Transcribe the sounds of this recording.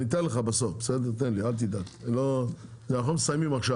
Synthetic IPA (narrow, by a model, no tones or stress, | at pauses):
nit̪enleχabaso̞fbesed̪eʁt̪enlialt̪̬id̪aklo | zenaχomesajmimaχʃa